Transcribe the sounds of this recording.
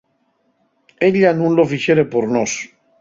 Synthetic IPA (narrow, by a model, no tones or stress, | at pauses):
eʎanũnlofiʃeɾepoɾnos